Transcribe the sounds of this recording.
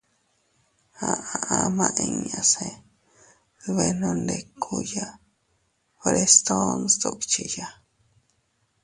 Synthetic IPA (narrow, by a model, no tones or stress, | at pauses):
haʔaʔamãʔeɲase | βenondekʰuja | foɾest̪onst̪okt͡ʃija